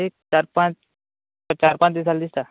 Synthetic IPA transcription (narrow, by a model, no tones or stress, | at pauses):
ik̚t͡ʃaɾpãt͡ʃ | ɔt͡ʃaɾpãt͡ʃd̪isald̪ist̪a